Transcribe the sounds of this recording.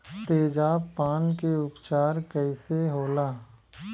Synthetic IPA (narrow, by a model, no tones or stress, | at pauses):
t̪eːd͡ʒaːpaːnkeʊpt͡ʃaːɾkəɪseɦoːlaː